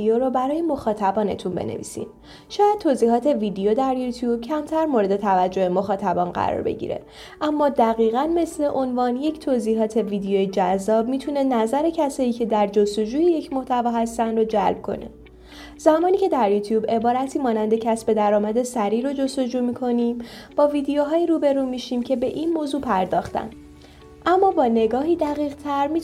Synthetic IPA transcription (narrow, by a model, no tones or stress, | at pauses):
ioɾɔbæɾɒːjemo̞xɒːt̪ʰæbɒːne̞̰t̪ʰunbḛnḛvḭːsḭm | ʃɒːjæd̪̚t̪ʰoːziːɦɒːt̪ʰe̞viːd̪eod̪æɾjut̪ʰjuːb̥̚cʰæmt̪ʰæɾmoɾe̞d̪e̞t̪ʰævæd͡ʒːo̞hemo̞xɒːt̪ʰæbɒːnɢæ̰ɾɒ̰ɾbe̞̰ɟḭːɾe̞̰ | ʔæmːɒːd̪æɣiːɣænme̞sle̞ʔo̞nvɒːnje̞cʰt̪ʰoːziːɦɒːt̪ʰe̞viːd̪ejoːjed͡ʒæzːɒːb̚miːt̪ʰune̞næzæɾe̞cʰæsɒːjiːcʰe̞d̪æɾd͡ʒo̞st̪o̞d͡ʒuːjeje̞cʰmo̞ht̪ʰævɒːɦæst̪ænɾod͡ʒælb̥̚kʰo̞̰ne̞̰ | zæmɒːniːcʰe̞d̪æɾjuːt̪ʰjuːbe̞bɒːɾæt̪ʰiːmɒːnænd̪ecʰæsbe̞d̪æɾɒːmæd̪e̞sæɾiːɾod͡ʒo̞st̪o̞d͡ʒuːmiːkʰo̞niːmb̥ɒːvid̪ejoɦɒːjiːɾuːbe̞ɾuːmiːʃiːmcʰe̞be̞ʔinmoːzuːpʰæɾd̪ɒːxt̪ʰæ̰n | ʔæmːɒːbɒːne̞ɡɒːɦiːd̪æɣiːʁt̪ʰæɾmiː